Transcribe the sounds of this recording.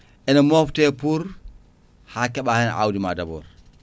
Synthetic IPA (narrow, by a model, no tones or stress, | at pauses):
ʔɛnɐmoftɛpuɾ | hakːɛɓahɛn̰ʔa̰wdima̰dabɔ̰ːɾ